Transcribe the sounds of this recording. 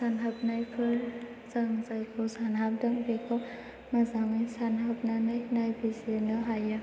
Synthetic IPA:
sanɦap̚najpʰɯl | zaŋzajkʰɔsanɦap̚daŋbekʰɔ | mazaŋɯjsanɦap̚nanajnajbizenɯɦaja

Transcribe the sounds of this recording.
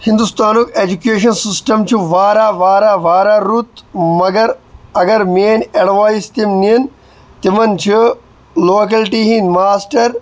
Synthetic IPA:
hɪ̃nd̪ust̪aːnukeːd͡ʒukeːʃ̬ɐnsɪsʈɐmt͡ʃʰuʋaːɾaːʋaːɾaːʋaːɾaːɾuːt̪mɐɡɐɾɐɡɐɾmeːneɽʋaːist̪imniən | t̪ɪmɐnt͡ʃʰi | loːkɐlʈiɦĩmaːsʈɐɾ

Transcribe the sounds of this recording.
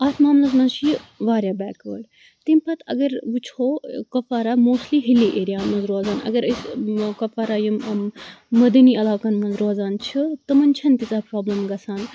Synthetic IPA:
ɐt̪ʰmaːmlɐzmɐnzt͡ʃʰijiʋaːɾjaːbɛːkə̰ːɽ | t̪impɐt̪ɐ̰ɡɐɾʋut͡ʃʰoːkɐfaːɾaːmoːst̪liːɦilːiʔeːɾijaːmɐnzɾoːzaːnɐ̰ɡɐɾɐskɐfaːɾaːji | mɐd̪ɐniːɐlaːkɐnmɐnzɾoːzaːnt͡ʃʰit̪ɐmɐnt͡ʃʰɐnt̪it͡saːpɾoːblɐmɡɐsʰaːn

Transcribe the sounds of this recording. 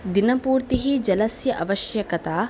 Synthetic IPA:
d̪inɐpuːɾt̪iɦid͡ʒɐlɐsjɐʔɐʋɐʃjɐkɐt̪aː

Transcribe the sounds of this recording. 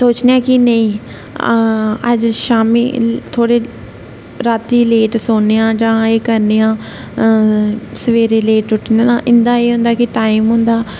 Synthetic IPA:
soːt͡ʃneãːkɪnəĩː | ə̰d͡ʒʃaːmḭːt̪ʰoːɽeː | ɾaːt̪iːleːʈsoːneːãːd͡ʒãːeːkəɾneːãː | səʋeːɾeːleːʈʊʈʰnːnã̰ːʔɪnd̪aːeːɦʊ̃nd̪aːkɪʈaːiːmɦʊ̃nd̪aː

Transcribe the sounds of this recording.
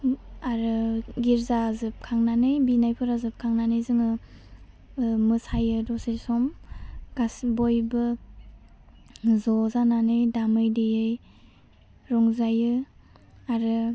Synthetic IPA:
aɾɯɡiɾzazɯp̚kʰaŋnanɯjbinajpʰɯɾazɯp̚kʰaŋnanɯjzɯŋɯ | mɯsajɯdɔsesɔmɡ̥asbɔjbɯ | zɔzananɯjdamɯjdejɯj | ɾɔŋzajɯ | aɾɯ

